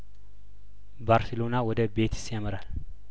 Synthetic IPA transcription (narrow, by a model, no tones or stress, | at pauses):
baɾsəlonawɔd̪əbe̞t̪sjaməɾal